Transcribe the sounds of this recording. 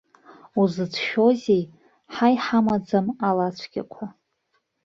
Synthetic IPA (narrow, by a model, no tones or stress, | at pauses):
uzɨd͡zʰʃᶣozʲej | ħajħamad͡zamalat͡ʃʷʰɡʲa̰kʷʰa